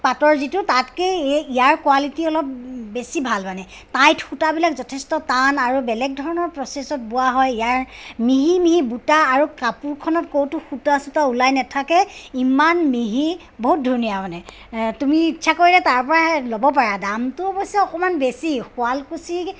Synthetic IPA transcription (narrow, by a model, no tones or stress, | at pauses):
patɔɹzitʊtatkeijaɹkwalitiɔlɔp̚besibʱalmanɛ | tajtxutabilakzɔtʰestɔtanaɹubɛlɛk̚dʱɔɹɔnɔɹpɹɔsesɔt̚bʊwaɦɔjijaɹmiɦimiɦibutaːɹukapuɹkʰɔnɔtkowtuxutasutaulajnɛtʰakɛimanmiɦi | boɦut̚dʱunijamanɛ | tumiːtːʃʰakoɹilɛtaɹpɔɹalobɔp̬aɹadamtʊɔbɔsɛɔkɔmanbesixʊalkusi